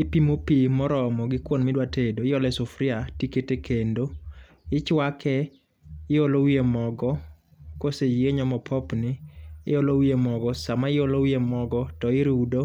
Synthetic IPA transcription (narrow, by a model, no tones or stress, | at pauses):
ɪpimopimɔɾɔmɔɡɪkwonmɪdwatedoɪjɔlɛsofɾɪatiketekʰendo | ɪt͡ʃwakʰɛ | ɪjolowiemɔɡɔ | kosejeɲɔmɔpʰɔpnɪɪ̰olowiemɔɡɔsamaɪjolowiemɔɡɔtɔɪɾudo